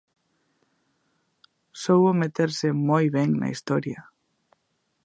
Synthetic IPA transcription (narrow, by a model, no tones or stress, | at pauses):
sowomet̪eɾsemojβeŋna̰ḭst̪oɾja